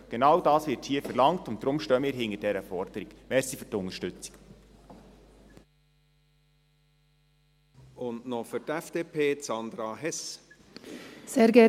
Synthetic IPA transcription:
ɡ̥enɑwdɑːsʋɪːɾthiəfəɾlɑŋtʊnt̚d̥ɾʊmʃtœmmiːɾɦɪŋəd̥ɛɾəfɔɾd̥əɾiɡ̥mɛɾsifytʊŋəʃtʏt͡si̥k | ʊndnɔfʏtɛfd̥eːpʰeːt͡sɑnd̪ɾɑɦɛs | seːɾɡɛ

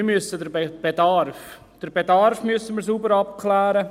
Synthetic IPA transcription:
ɪmyəsədəɾbb̥edɑrf | d̥əɾbedɑɾfmyəsəməɾsuːbəɾɑp̚kʰlæːɾə

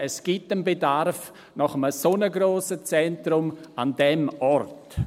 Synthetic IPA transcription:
ɛsɡ̥itənbedarf | nɔχəməsonəɡɾoːsət͡sɛntɾʊmandɛmɔɾt

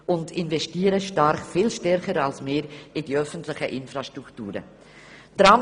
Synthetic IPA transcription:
ʔʊndɪnvɛstiːɾəʃtaɾχfiːlʃtɛɾχəɾalsmeːɾɪdiœfəntlɪçəʔɪnfɾaʃtɾuktuːɾə̰ | d̥ɾaːm

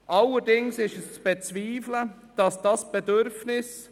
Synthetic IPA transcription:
ʔɑlːəɾdɪŋsɪʃəst͡sb̥ɛt͡sviːflə | d̥ɑsd̥ɑsb̥ɛdøɾfnɪs

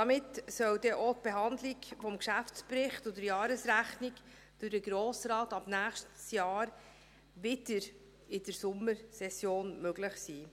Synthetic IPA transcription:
d̥ɑmɪtsœwdɛʔot̚b̥eɦɑnd̪lɪɡfɔmkʃæftt͡spɾɪχtʊdəɾjɑːɾəsɾæχnik | d̥ʊɾdəɡɾoːsɾɑːtɑb̥næːχʃtsjɑːɾ | ʋɪd̥əɾ | ɪd̥əɾsʊmːəɾsɛsjoːnmøɡlɪχsiː

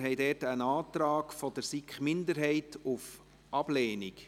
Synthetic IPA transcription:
ɦɛjdɛːtənɑːtɾɑːkfɔd̥̪əɾsikχmɪnd̪əɾɦɛɪtuf | ɑb̥lɛːnik

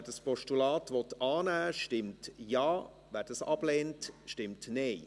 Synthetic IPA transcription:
ɛɾdɑspɔʃtulɑːtʋɔtɑːnæːʃtɪmtjɑː | væːd̥ɑsɑb̥leːntʃtɪmtneː

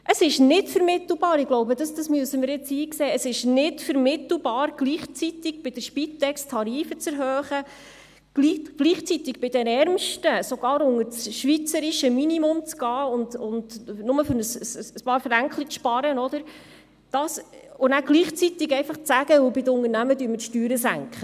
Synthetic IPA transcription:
ʔəsɪʃnɪtfəɾmɪtl̩bɑːɾɪɡ̥loʊbəd̥ɑsd̥ɑsmyəsəmɪɾjɪt͡siːkseːəsɪʃnɪtfəɾmɪt̪l̩ˠbɑːɾɡ̥liːχt͡sit̪ɪɡ̚b̥ɪd̥əʃpit̪ːɛkst̪ʰːɑɾiːfət͡sɛɾɦœːχə | ɡ̥liɡ̥liːχt͡sit̪ɪɡ̚bɪd̥ɛnɛɾmʃtəsoɡ̥ɑːɾʊŋəɾsʃʋit͡səɾiʃəminimʊmt͡sɡ̥ɑːʊndʊndnʊməfʏɾnəssəspɑːɾfəɾæŋkχlit͡sʃpɑɾənɔd̪əɾ | d̥ɑsʊnæɡ̥liːχt͡sit̪ɪɡɛɪfɑχt͡sæɡ̥əʊbɪdəʊŋəɾnæmədyːɾməʃtyːɾəsæ̰ŋkχə

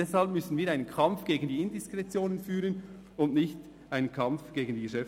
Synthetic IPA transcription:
ɛshɑlp̚mʏsn̩viːɐaɪnənkʰɑmfɡ̥eːɡən̩diːɪndɪskʁɛt͡sjoːnənfyːɾən | ʊndnɪçt | ʔaɪnənkʰɑmfɡ̥eːɡən̩diːɡəʃɛf

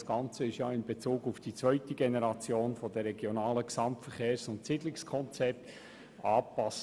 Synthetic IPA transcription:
sɡ̥ɑnt͡səɪʃjɑːɪnbet͡suːɡufd̥it͡svœʏtəɡenɛɾɑt͡sjoːnfɔd̪əɾɛɡjɔnɑːləksɑmtfəɾχeːɾsʊntsɪdlɪkskʰɔnt͡sɛp̚t̪ | ɑːpɑs

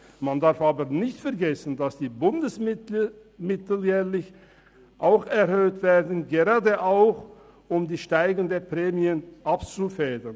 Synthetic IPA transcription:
mandaʁfʔaːbənɪçtfɛɐɡɛsn̩dasd̥iːbʊndəs | mɪtl̩jɛːlɪç | ʔaʊxɛɐʁhøːtv̥ɛːɐdn̩ɡeʁaːdəʔaʊx | ʔʊmdiːʃtaɪɡn̩dəpʁ̥ɛːmiənʔapt͡sufɛːdɐn

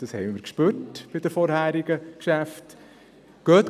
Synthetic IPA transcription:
d̥ɑshɛɪmɪːɾkʃpʉːɾtb̥ɪd̥̪əɾfɔɾɦhæːɾiɡ̥əkʃæft̪ | ɡ̥œːt̪

